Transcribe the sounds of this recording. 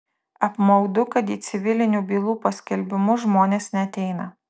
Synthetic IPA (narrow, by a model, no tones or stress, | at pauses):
ɐpmɐʊd̪ʊkɐt̪iːt̪sʲɪʋʲɪlʲɪnʲuːbʲiːlˠuːpɐsʲkʲɛlʲbʲɪmʊʒmoːnʲeːsnʲɛɐt̪ʲɛɪnɐ